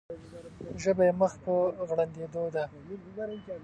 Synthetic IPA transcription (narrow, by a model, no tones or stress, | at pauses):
ʒəbajeməxpəɣɽand̪ed̪od̪a